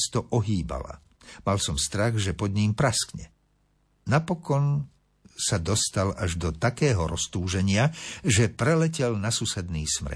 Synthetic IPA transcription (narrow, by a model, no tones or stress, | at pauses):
st̪ɔʔɔɦiːba̰la̰ | malsɔmst̪ɾaɣʒɛpɔd̪ɲimpɾaskɲɛ | napɔkɔn | sad̪ɔst̪alaʒd̪ɔt̪akɛːɦɔɾɔst̪uːʒɛɲɪaʒɛpɾɛlɛcɛlnasusɛd̪niːsmɾ̰